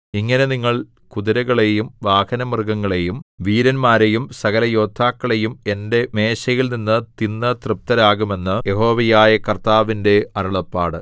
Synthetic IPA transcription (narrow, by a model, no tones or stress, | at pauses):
iŋːɐne̞niŋːɐɭ | kuðiɾɐɣɐɭe̞jumʋaːhɐnɐmirɡɐŋːɐɭe̞jumʋiːɾɐnmaːɾejumsɐɣɐlɐjo̞ːd̪ʱːaːkːɐɭejume̞nde̞me̞ːɕɐjilninːɨt̪inːɐt̪rɨp̚t̪ɐɾaːɣume̞nːɨje̞ɦo̞ːʋɐjaːjɐkɐrt̪aːʋinde̞ɐɾuɭɐpːaːɽɨ